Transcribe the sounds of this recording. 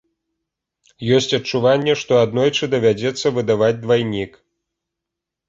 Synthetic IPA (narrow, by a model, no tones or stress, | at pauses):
jɔsʲt͡sʲɐt͡ʂuvanʲːɛʂt̪ɔad̪nɔjt͡ʂɨd̪ɐvʲad͡zʲɛt̪sːɐvɨd̪avad͡zʲd̪vajnʲik